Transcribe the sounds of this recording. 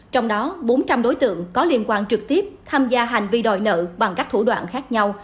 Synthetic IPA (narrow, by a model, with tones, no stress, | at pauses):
t͡ɕɔ˧wŋ͡mɗɔ˨˦ɓo˨˦nt͡ɕa˧mɗo˨˦jt̪ɨ̰˧˨əŋkɔ˨˦li˧ənkwaː˧nt͡ɕɨ˨˩k̚t̪i˦˥əp̚t̪ʰaː˧mzaː˧ɦa˨˩jŋ̟vi˧˩ɗɔ̰˧˨jnə̰ː˧˨ɓa˨˩ŋkaː˦˥k̚t̪ʰu˧˩ɗwa̰ː˧˨nxaː˦˥k̚ɲa˧w